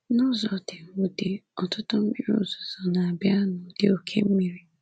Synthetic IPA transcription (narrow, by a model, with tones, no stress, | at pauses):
nɔ˦zɔ˨dɪ˨u˨de˨ɔ˨tʊ˦tʊ˦m̩˦mi˦ɾo̰˨zɔ˨zɔ˨na˨a˨bja˦nʊ˨d̥ɪ˨o˨kʰe˦m̩˦mi˨ɾi˨